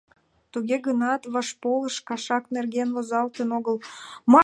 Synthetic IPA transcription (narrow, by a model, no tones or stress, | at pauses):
t̪uɣeɣənɑt̪βɑʃpoləʃkɑʃɑknerɣenvozɑlt̪ənoɣəlmɑ